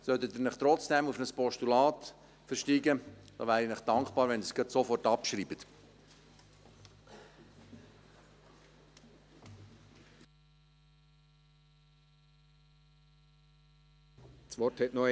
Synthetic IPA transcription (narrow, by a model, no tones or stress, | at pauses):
sœtət̪ɪnɪχt̪ɾɔt͡sd̥ɛmufnəspɔʃtulɑːt | fəɾʃtiːɡəd̥ɑ̰ːʋæːɾinɪχd̥ɑŋkpɑːɾʋɛnəsɡətsofɔrtɑpʃɾiːbət | sʋɔrthɛtnɔ